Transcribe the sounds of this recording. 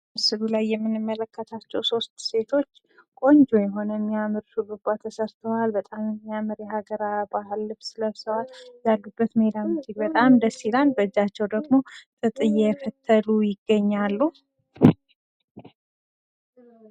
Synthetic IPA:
mɨsɨlulajːɛmːɨnɨmːələkːət̪ʰat͡ʃːɛwso̞st̪se̞t̪ʰo̞t͡ʃː | kʼo̞ɲd͡ʒojɛɦo̞nəɛmːijamɨɾʃubəbːat̪ʰːəsəɾt̪ʰəwalbət̪ʼamɛmːiamɨɾjɛhaɡəɾabaɦɨlːɨbsləsəwaljaɡɨbːət̪məed̪amɨd̪ilbət̪ʼamd̪əsilanbəd͡ʒat͡ʃːɛwd̪əɡmo̞t̪ʼɨt̪ʼɨjɛfət̪ʰːəlujɪɡːəɲːalːuh

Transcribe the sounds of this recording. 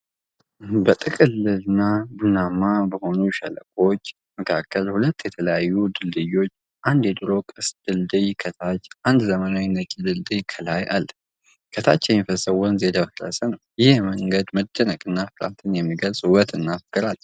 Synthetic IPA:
bət̪ʼɨkʼɨlːɨlɨnːabunamabəho̞nuʃələ̰kʼo̞t͡ʃː | məkʰakʰːəlhulət̪ːjɛt̪ʰələjajːud̪ɨld̪ɨjːo̞t͡ʃː | ʔand̪jɛd̪ɨɾo̞kʼɨsd̪̥ɨld̪ɨjkʰət̪ʰat͡ʃːʔand̪zəmənawinət͡ʃʼid̪ɨld̪ɨjkʰəlajʔa̰lː | kʰət̪ʰa̰t͡ʃːɛmifəsəwɔnzed̪əfɾə̰sənəwjɪhjɛməŋɡəd̪məd̪ənəkʼɨnːafɨɾa̰t̪ʰɨnjɛmːiɡəlsʼwət̪ɨnːafɨkʼːɨɾal

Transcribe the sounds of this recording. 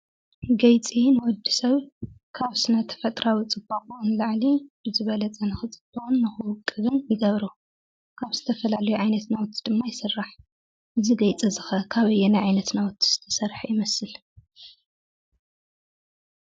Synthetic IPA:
ɡɐjt͡sʼinwɔd̪ːi̥sɐβkʰaβsɨnat̪ʰɐ̥fɐt̪ʼɾawit͡sʼɨbːakʼunlaʕlib̥ɨzɨβɐlɐt͡sʼɐnɨxɨt͡sʼɨbuunːɨxɨwʊkʼːɨβɨnjɪɡɐβɾu | kʰaβzɨt̪ʰɐfɐlalɐjuʕajnɐt̪nawt̪ʰːid̪ɨmːajɪsɨrːaħ | ʔɨziɡɐjt͡sʼɐzɨxɐkʰaβɐjːɛnajʕajnɐt̪nawɔt̪ʰːi̥z̥ɨ̥t̪ʰɐsɐɾħajɪmɐsɨl

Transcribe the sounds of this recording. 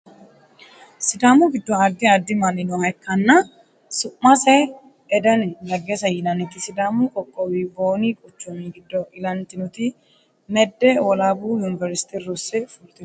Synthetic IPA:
sɪd̪aːmuɡɪd̪ːɔaːd̪ːɪaːd̪ːɪmɐnɪnʊhɐkːɐnːɐ | sʊʔːɐsɛ | ɛd̪ɐnlɐɡːeːsɐjɪnɐnɪt̪ɪsɪd̪aːmuːkʼɔkʼːɔwiːboːniːkʼʊt͡ʃːʊmiːɡɪd̪ːɔʔɪlɐnt̪ɪnʊt̪ɪ | mɛd̪ːɛwɔlaːbuːjʊnɪvɛɾsɪ̥t̪irʊsɛfʊlt̪ɪn

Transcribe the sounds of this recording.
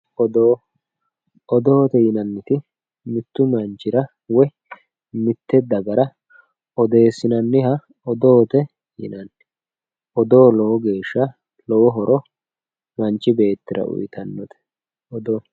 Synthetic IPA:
ɔd̪oː | ɔd̪oːt̪ɛjɪnɐnːɪt̪ɪ | mɪt̪ːʊmɐnt͡ʃːɪɾɐ | wɔj | mɪt̪ːɛd̪ɐɡɐɾɐ | ɔd̪e̞ːsːɪnɐnːɪhɐ | ɔd̪oːt̪ɛ | jɪ̰nɐnː | ʔɔd̪oːlɔwɔɡe̞ːʃːɐ | lɔwɔɦɔɾɔ | mɐnt͡ʃːɪbe̞ːt̪ːɪɾɐ̰ʔʊ̰jɪt̪ɐnːɔt̪ɛ̥ | ɔd̪ɔ

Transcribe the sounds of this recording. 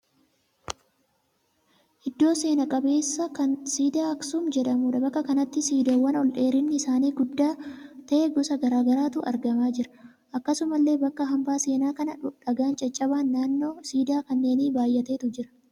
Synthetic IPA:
ʔɪd̪ːo̞ːse̞ːnɐkʼɐbe̞ːsːɐkɐnsiːd̪aːɐksʊmd͡ʒɛᶑɐmuːᶑɐbɐkːɐkɐnɐt̪ːɪsiːd̪owɐnɔlᶑe̞ːɾɪnːɪsaːniːɡʊd̪ːaːt̪ɐʔeɡʊsɐɡɐɾaːɡɐɾaːt̪ʊʔɐɾɡɐmaːd͡ʒɪɾɐ̥ | ʔɐkːɐsʊmɐlːe̞ːbɐkːɐɦɐmbaːse̞ːnaːkɐnɐᶑɐɡaːnt͡ʃʼɐt͡ʃʼːɐβaːnːaːnːo̞ːsiːd̪aːkɐnːe̞ːniːbaːjːɐt̪e̞ːt̪ʊd͡ʒɪɾɐ̥

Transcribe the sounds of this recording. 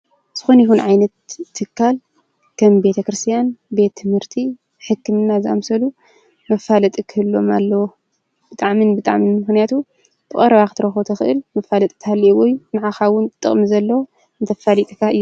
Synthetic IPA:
z̥ɨxonɪhunʕajnɐt̪ʰːɨkʰːal | kʰɐmbe̞t̪ʰɐkɾɨst̪ʰijanbe̞t̪ʰːɨmhɨɾt̪ʰi | ħɨkːɨmɨnːazɨʔa̰msɐlu | mɐfalɐt̪ʼikʰɨhɨlːo̞malːɐwo | b̥ɨt̪ʼaʕmɨnbɨt̪ʼaʕminmɨxnijat̪ʰu | b̥ɨkʼɐ̰ɾɐβakɨt̪ɨɾɐxot̪ʰɐxɨʔɨ̰lmɐfalɐt̪ʼi̥t̪ʰhalːiʔwɔjnɨʕaxawʊnt̪ɨt̪ʼːɨ̰χʼmizɐlːɐwo | nɨt̪ʰɐfalit̪ʼɨkʰaɨjːu

